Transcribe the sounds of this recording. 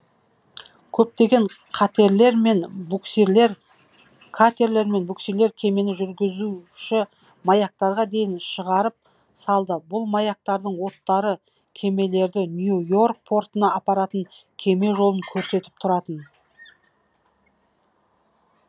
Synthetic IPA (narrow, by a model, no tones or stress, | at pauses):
kʲʰɵp̚t̪e̞ɡʲe̞ɴqʰɑt̪e̞ɾle̞ɾme̞nbuksle̞ɾ | kʰat̪e̞ɾle̞ɾme̞nbuksijle̞ɾkʲʰe̞me̞nɪʒʏɾɡʲɪzuʃɪ | majak̚t̪ɑɾʁɑd̪e̞jɪnʃəʁɑɾəp̚ | sɑlˠd̪əbʊlˠmajak̚t̪ɑɾd̪əɴwo̞t̪ːɑɾə | kʲʰe̞me̞le̞ɾd̪ɪnjujo̞rk̚pʰo̞rt̪ənɑʔɑpɑɾɑt̪əŋkʲʰe̞me̞ʒo̞lˠəŋkʲʰɵɾse̞t̪ɪ̥p̚t̪ʰʊɾɑt̪ən